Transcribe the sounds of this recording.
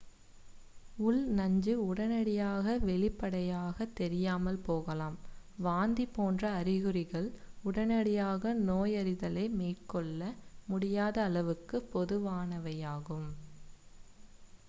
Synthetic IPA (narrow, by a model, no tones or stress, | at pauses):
ʊɭnɐɲd͡ʒɯʊɽɐnɐɽɪjaːɣɐʋɛɭɪpːɐɽɐjaːɣɐt̪ːɛɾɪjaːmɐlpoːɣɐlaːmʋaːnd̪ipːoːndrɐːɾɪɣɯrɪɣɐɭʊɽɐnɐɽɪjaːɣɐnoːjɐɾɪðɐlɐɪmeːʈkɔɭːɐmʊɽɪjaːðɐːlɐʋɯkːɯpːɔðɯʋaːnɐʋɐjaːɣɯm